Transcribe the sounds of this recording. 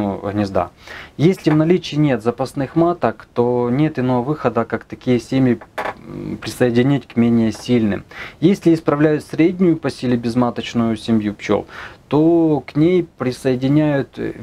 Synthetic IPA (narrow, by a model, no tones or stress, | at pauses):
uɦnʲɪzd̪a̰jesʲlʲɪvnɐlʲit͡ɕɪːnʲe̞t̪zɐpɐsnɨxmat̪əkt̪o̞nʲe̞t̪ɪno̞vɐvɨxəd̪əkakt̪ɐkʲijəsʲemʲjɪ | pɾʲɪsɐjɪdʲɪnʲitʲkmʲenʲɪjəsʲilʲnɨ̰mjesʲlʲɪɪspɾɐvlʲæjʊt̪sʲɾʲedʲnʲʊjʊpɐsʲilʲɪbʲɪzmat̪ət͡ɕnʊjʊsʲɪmʲjupt͡ɕo̰lt̪o̞knʲejpɾʲɪsɐjɪdʲɪnʲæjʊt̪